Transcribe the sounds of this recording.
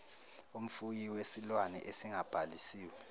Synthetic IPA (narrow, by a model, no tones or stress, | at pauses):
um̩fujiwesilwanɛ̰ʔesiŋab̥ʱalisiːwɛ